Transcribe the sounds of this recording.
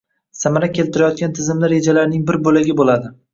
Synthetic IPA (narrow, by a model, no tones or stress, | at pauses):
samaɾakʲʰe̞lt̪ʰɪɾajɒt̪̚ɡʲant̪ʰɪzɪmlɪɾed͡ʒalaɾnɪŋbɪɾbolaɡʲɪbolad̪ɪ